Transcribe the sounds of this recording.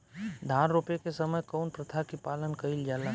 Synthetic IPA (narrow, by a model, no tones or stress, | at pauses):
d̪ʱãːnɾoːpekesəməjkɔːnpɾət̪ʰakipaːlənkəɪld͡ʒaːla